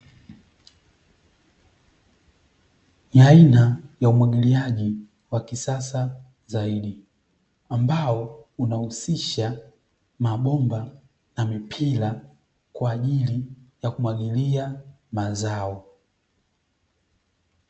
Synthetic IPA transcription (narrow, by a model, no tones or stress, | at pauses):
niainajaumwaɠiliaʄi | wakisasa | zaiɗi | ambaɔunahusiʃa | maɓɔmba | namipʰila | kwaːʄilijakumwaɠilia | mazaɔ